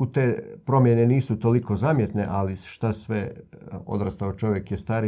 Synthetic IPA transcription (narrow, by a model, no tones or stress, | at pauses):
ut̪eːpɾo̞mjeneniːsut̪oliko̞zaːmjet̪nḛʔaliʃt̪asʋeo̞̰d̪ɾast̪aot͡ʃo̞ʋʲjekjest̪aːɾi